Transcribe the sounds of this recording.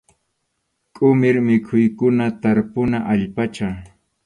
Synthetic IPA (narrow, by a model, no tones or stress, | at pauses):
kʼʊmɪɾmɪkʰʊjkʊnat̪aɾpʊnaʔaʎpat͡ʃa